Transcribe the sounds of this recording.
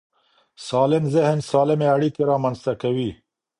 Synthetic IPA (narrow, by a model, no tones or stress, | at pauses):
sɑlɪnzɪhnsɑlɪmeaɽikeɾɑmanzt̪akawi